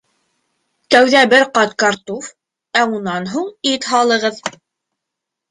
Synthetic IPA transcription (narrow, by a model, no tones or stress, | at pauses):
t̪æwðæbɘɾqɑt̪kɑɾt̪uf | æunːɑnɦuɴit̪ɦɑlˠɤ̆ʁɤð